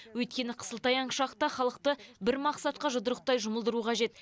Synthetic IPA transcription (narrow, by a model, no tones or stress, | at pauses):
wɵjt̪̚kʲe̞nɪqʰə̥səlˠt̪ɑjɑɴʃɑqt̪ɑχɑlˠəqt̪əbɪɾmɑqsɑt̪̚qɑʒəd̪əɾəqt̪ɑjʒʊməlˠd̪əɾuqʰɑʒe̞t̪